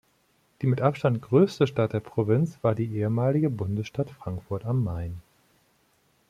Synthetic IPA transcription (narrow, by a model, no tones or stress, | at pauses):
d̥iːmɪtʔapʃtantɡ̥ʁøːstəʃtat̚d̥eːɐpʁ̥ovɪnt͡sv̥aːɐdiːʔeːəmaːlɪɡəbʊndəsʃtatfʁ̥aŋkfʊɐtamːaɪn